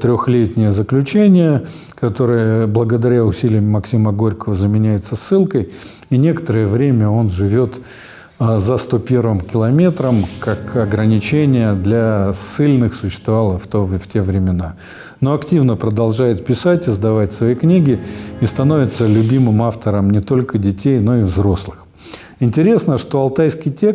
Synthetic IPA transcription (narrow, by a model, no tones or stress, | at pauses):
t̪ɾʲoxlʲet̪ʲnʲɪjəzəklʲʉt͡ɕenʲɪjə | kɐt̪o̞ɾɨjəblˠəɡəd̪ɐɾʲaʊsʲilʲɪjəmɐksʲiməɡo̞ɾʲkəvəzəmʲɪnʲæjɪt̪səsːɨlˠkəj | inʲe̞kə̥t̪əɾəjəvɾʲemʲəo̞nʐɨvʲo̞t̪ | əzəst̪opʲe̞rvɨmkʲɪlˠɐmʲe̞t̪ɾəmkakɐɡɾənʲɪt͡ɕenʲɪjəd̪lʲasɨlʲnɨxsʊɕːɪ̥st̪vɐvalˠəft̪oftʲe̞vɾʲɪmʲɪna | no̞ɐktʲivnəpɾəd̪ɐlˠʐajɪt̪̚pʲɪsatʲɪzd̪ɐvatʲsvɐiknʲiɡʲɪist̪ɐno̞vʲɪt̪səlʲʊbʲimɨmaft̪əɾəmnʲɪt̪o̞lʲkədʲɪtʲejno̞ɪvzɾo̞slˠɨx | ɪnʲtʲɪɾʲe̞snəʂt̪o̞ɐlˠt̪ajskʲɪjtʲe̞k